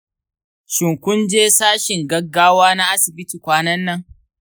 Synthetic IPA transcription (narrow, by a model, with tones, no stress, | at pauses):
ʃɪ˨ŋkʷʊ˦nd͡ʒeː˦saː˦ʃɪ˨ŋɡɐ˦ɡːaː˦waː˦na˦ʔa˦sɪ˨bɪ˦tiː˨kʷaː˦nɐ˦nːɐ˦ŋ